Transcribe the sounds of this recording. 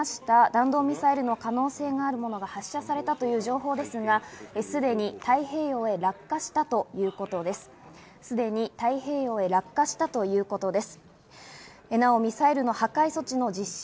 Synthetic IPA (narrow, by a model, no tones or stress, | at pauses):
ɕi̥t̪ad̪ãnd̪o̞ːmʲisaeɾɯ̟no̞kano̞ːse̞ːɡaːɾɯ̟mo̞no̞ɡahaɕːasaɾe̞t̪at̪o̞jɯ̟ːʑo̞ːɦo̞ːd̪e̞sɨɡaesɨd̪e̞ɲ̟it̪aiɦe̞ːjo̞ːe̞ɾakːaɕi̥t̪at̪o̞jɯ̟ːko̞t̪o̞d̪e̞sɨ̥ | sɨd̪e̞ɲ̟it̪aihe̞ːjo̞ːe̞ɾakːaɕi̥t̪at̪o̞jɯ̟ːko̞t̪o̞d̪e̞sɨ̥ | enao̞mʲisaeɾɯ̟no̞hakaiso̞t͡ɕino̞d͡ʑiɕ